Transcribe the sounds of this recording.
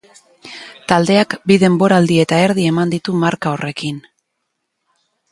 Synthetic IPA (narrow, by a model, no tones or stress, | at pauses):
t̪ald̪e̞akbiðe̞mbo̞ɾaːld̪ie̞t̪ae̞ɾðie̞mand̪it̪umaɾkao̞re̞kin